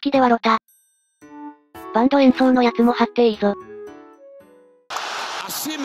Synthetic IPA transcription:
kʲid̪e̞βaɾot̪a | b̥ãnd̪oẽɰ̃sõnːo̞jat͡sɨmo̞hat̪ːe̞izo

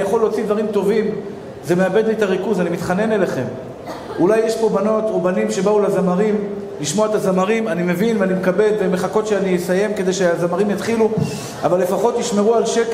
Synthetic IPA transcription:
jaχo̞lːo̞ːt͡sid̪vaʁimt̪o̞vim | ze̞meabe̞d̪liet̪aʁikuzanimit̪χane̞ne̞leχe̞m | ulajːe̞ʃpo̞bano̞t̪obanimʃe̞baulazamaʁim | liʃmo̞aet̪azamaʁimanime̞vinveanimekabe̞d̪veme̞χako̞t̪ʃeanisaje̞mke̞d̪e̞jʃeazamaʁimjat̪χilu | a̰valːe̞faχo̞t̪jiʃme̞ʁualʃek

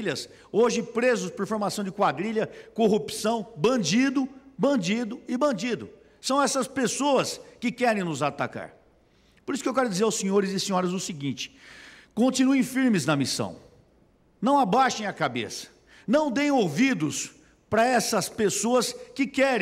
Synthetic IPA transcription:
ʎɐs | oʒɪpɾezʊspoɾfoɾmasɐ̃w̃d͡ʒɪkwad̪ɾiʎɐkoɦupsɐ̃w̃bɐ̃d͡ʒid̪ʊbɐ̃nd͡ʒid̪ʊɪbɐ̃nd͡ʒid̪ʊ | sɐ̃w̃ɛsɐspesoɐskɪkɛɾẽj̃nʊzat̪a̰ka̰ɾ | poɾisʊ̥kewkɛɾʊd͡ʒizeɾawsĩɲoɾɪzɪsĩɲɔɾɐzʊsɪɡĩt͡ʃɪ̥kõnt͡ʃinuẽj̃fiɾmɪznɐmisɐ̰̃w̃ | nɐ̃w̃abajʃẽj̃ɐkabḛsɐ̥ | nɐ̃w̃d̪ẽj̃ovid̪ʊs | pɾɐɛsɐspesoɐskɪkɛɾ̃

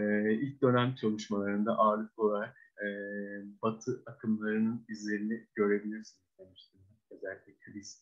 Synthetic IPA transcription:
ɛilʲc̚d̪ø̞næmt͡ʃʰalˠuʃmalˠaɾɯnd̪a̰ʔaːlɯfolˠaɾak̚ɛːbat̪ʰɯʔakʰɯmlˠaɾɯnɯnizlʲe̞ɾiniɟø̞ɾe̞bilʲiɾsinizd̪emiʃt̪ʰim | zælʲitlʲicʰʲibiz

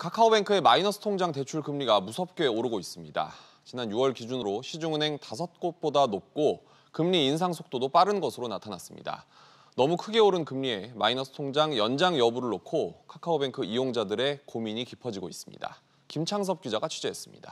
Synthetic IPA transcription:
kʰakʰaobe̞ŋkʰɯe̞mainʌsʰɯ̥tʰoŋd͡ʑaŋte̞t͡ɕʰuɭkɯmɲiɡamusʰʌp̚k͈joe̞oɾɯɡois͈ɯmɲida̰ | t͡ɕinanjuʌɭkid͡ʑunɯɾoɕʰid͡ʑuŋɯnɦe̞ŋtasʰʌt̚k͈ot̚p͈odanop̚k͈o | kɯmɲiːnsʰaŋsʰok̚t͈odop͈aɾɯnɡʌsʰɯɾonatʰanas͈ɯmɲḭda̰ | nʌmukʰɯɡe̞oɾɯnkɯmɲie̞mainʌsʰɯ̥tʰoŋd͡ʑaŋjʌnd͡ʑaŋjʌbuɾɯɭːokʰokʰakʰaobe̞ŋkʰɯijoŋd͡ʑadɯɾe̞komiɲikipʰʌd͡ʑiɡois͈ɯmɲḭda̰ | kimt͡ɕʰaŋs̬ʰʌp̚k͈id͡ʑaɡat͡ɕʰud͡ʑeɦs͈ɯmɲḭda̰

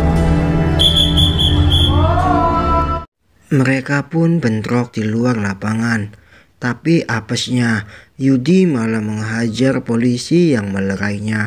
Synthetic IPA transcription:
məɾekapʊnbənt̪ɾɔk̚d̪̥iluarlapaŋan | t̪apiʔapəsɲajudimalaməŋəɦad͡ʒarpolisijaŋmələɾaiɲa

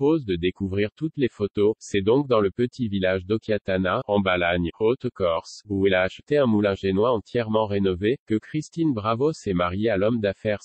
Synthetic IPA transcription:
pozd̪əd̪ekuvʁiʁt̪ut̪lefot̪osɛd̪ɔ̃k̚d̪ɑ̃ləpət̪ʰivilaʒd̪ɔkʲeat̪anaɑ̃balaɲot̪kɔʁsuilaːʃət̪eɛ̃mulɛ̃ʒenwaɑ̃t̪jɛʁmɑ̃ʁenɔvekəkχist̪inbʁavosɛmaʁjealɔmd̪afɛʁ

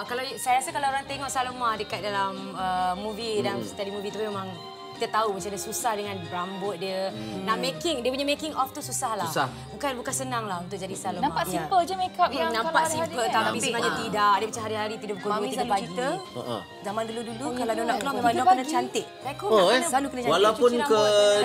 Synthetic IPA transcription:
kalasajaasakalawoɾaŋt̪eŋɔʔsalomahdəkat̪̚dalam | əmːũvidanst̪adimubit̪uimemãŋ | ki̥t̪at̪aubəsandəsusahdəŋãnbɾambʊt̪̚diənaʔmekɪŋdiəpuɲamekɪŋɔft̪ususahlahsa | bukanbukansənaŋlahunt̪ʊʔ̚d͡ʒadisalnmaaʔipəld͡ʒəmekanãmpaʔsimpət̪at̪apisnad͡ʒat̪idaʔ̚diəmat͡ʃamɦaɾiɦaɾit̪idabukuaiaait̪ə̰ | zamanduludulukaladanaklamemaakənət͡ʃant̪ɪʔ̚kakoonanslalukənət͡ʃawalapʊnkə

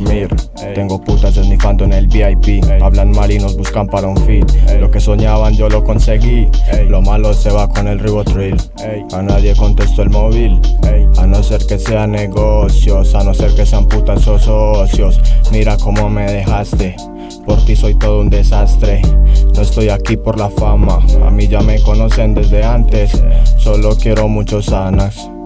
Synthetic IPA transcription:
miɾ | e̞ŋɡo̞put̪asezmifand̪oenelbiajpiaβlanmaɾino̞zbuskampaɾauɱfit̪lo̞ke̞so̞ɲaβand͡ʒo̞lo̞ko̞nse̞ɣilo̞malose̞βakone̞lriβot̪ɾoil | anaðje̞ko̞nt̪e̞st̪oelmo̞βilanose̞ɾke̞seaneɣosjo̞sano̞se̞ɾke̞se̞amput̪asososjo̞smiɾako̞mo̞me̞ðe̞xast̪e̞ | po̞ɾt̪iso̞jt̪o̞ðound̪e̞sast̪ɾe̞no̞e̞st̪o̞jakipo̞ɾlafamaa̰miʝame̞ko̞no̞send̪e̞zd̪e̞ant̪e̞sːo̞lo̞kje̞ɾo̞mut͡ʃo̞sanas

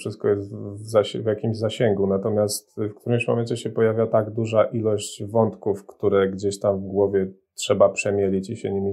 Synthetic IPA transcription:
ʂɘst̪̚kɔjɛst̪vzaɕvʲjakʲimʑzaɕɛŋɡunat̪ɔmʲjast̪fkt̪uɾɘmɕmɔmɛnt͡ɕɛɕɛpɔjavʲjat̪aɡd̪uʐaʔilɔɕt͡ɕvɔnt̪kufkt̪uɾɛɡd͡ʑeɕt̪amvɡwɔvʲjɛ | tʂɛbapʂɛmʲjɛlʲit͡ɕiɕɛɲimʲi

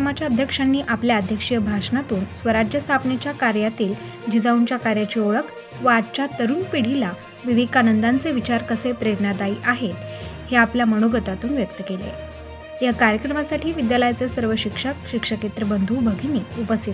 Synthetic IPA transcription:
mat͡ɕjaəd̪ʱjəkʂanːiːʔapljaəd̪ʱjəkʂijəbʱaʂnat̪uːnsʋəɾad͡ʑjəst̪ʰapnet͡ɕjakaɾjat̪iːl | d͡ʑid͡zauɲt͡ɕjakaɾjat͡ɕiːoɭək | ʋaːd̪t͡ɕat̪əɾuːnpiɽ̤ila | ʋiʋid̪̚kanənd̪ant͡seʋit͡ɕaɾkəsepɾeɾnad̪aiːʔaɦet̪heapljaməɽ̃oɡət̪at̪uːnʋjək̚t̪əkelḛ | jakaɾjəkɾəmasaʈʰiːʋid̪jaləjt͡sesəɾʋəɕikʂəkɕikʂəket̪ɾəbənd̪ʱubʱəɡʱiniːupəst̪it̪

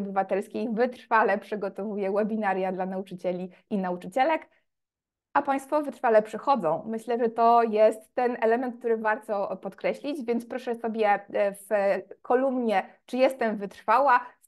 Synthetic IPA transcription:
bɘvat̪ɛlskʲejvɘt̪ɾ̥falɛpʂɘɡɔt̪ɔvujɛwɛbʲinaɾjad̪lanaut͡ʂɘt͡ɕɛlʲiʔinaut͡ʂɘt͡ɕɛlɛk | ʔapaj̃st̪fɔvɘt̪ɾfalɛpʂɘxɔd̪zɔ̃w̃mɘɕlɛʐɛt̪ɔjɛst̪ːɛnɛlɛmɛnt̪̚k̚t̪uɾɘvaɾt̪ɔpɔt̪kɾɛɕlʲid͡ʑvʲjɛnt̪spɾɔʂɛsɔbʲjɛfkʰɔlumɲɛt͡ʂɘjɛst̪ɛmvɘt̪ɾ̥fawa

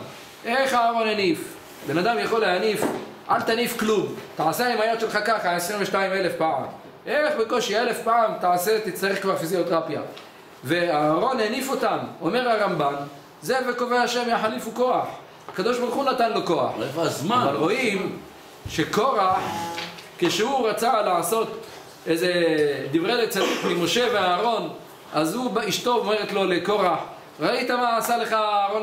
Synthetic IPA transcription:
ʔeχaːʁo̞nenif | be̞nad̪amjaχo̞leanif | ʕalt̪anifklumt̪aʕaseaimajot̪ʃelχakaχaesʁimveʃtaime̞lefpaʕa̰m | ʔeeχbeko̞ʃiele̞fpaʕamt̪aʕase̞t̪it͡st̪aʁeχkvaʁfiziot̪ʁapja̰ | ve̞aːʁo̞nenifo̞t̪amo̞me̞ʁhaʁamban | ze̞vekoveaʃe̞mjaħalifuko̞aħ | akad̪o̞ʃbaʁuχunat̪anlo̞ko̞a̰ħvzmavaʁo̞im | ʃekoʁaħkeʃehuʁat͡salaʕaso̞t̪ | ezed̪ivʁelet͡sadikmimo̞ʃe̞veaːʁo̞n | azhubiʃt̪o̞ome̞ʁet̪lo̞leko̞ʁaħ | ʁait̪amaːsale̞χaaaːʁo

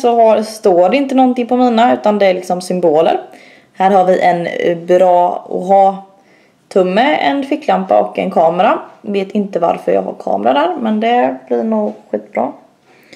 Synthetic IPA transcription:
sɔɦast̪oːɖɛɪnt̪ənɔnt̪ɪŋpʰɔmiːnaʉ̟ːt̪and̪ɛæɾlɪksɔmsʏmboːlə̰ɾ | hæːɾhaɾvɪʔɛnbɾɑːɔ̰ɦɑː | t̪ʰɵmːəɛ̰nfɪkːlampa̰ʔɔkːɛ̰nkʰɑːməɾaveːt̪ɪnt̪əva̰ɾfœɾjɑ̰ːɡha̰ɾkʰɑ̰ːmɾad̪æːɾmɛnd̪ɛblɪɾɳuːɡɧiːt̪̚bɾɑ̰ː

